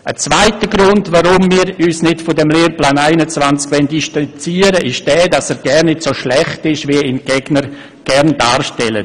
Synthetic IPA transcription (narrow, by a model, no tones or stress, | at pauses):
ət͡sv̥aɪtəɡɾʊndvaɾʊmmiːɾyːsnɪtfɔdɛmleːɾplaːnaɪnət͡svant͡skʋɛnd̥iʃtant͡siːəɾəʔɪʃd̥ɛːdasɛːɾɡ̥ɛɾnɪtsoʃlɛχtɪʃviəɪnɡ̥ɛɡ̥nəɾ | ɡ̥ɛɾndaːɾʃtɛlə̰